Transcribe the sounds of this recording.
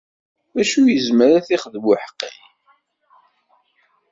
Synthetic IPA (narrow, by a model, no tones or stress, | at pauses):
æʃujəzməɾæθiχəðmʊħqːḭm